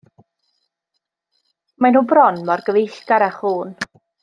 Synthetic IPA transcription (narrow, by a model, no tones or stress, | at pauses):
manhuːbrɔnmɔrɡəvejɬkaɾaχhuːn